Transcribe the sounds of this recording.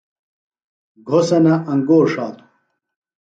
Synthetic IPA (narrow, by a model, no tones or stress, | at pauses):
ɡʱosɐnɐʔɐŋɡoːʂaːt̪u̥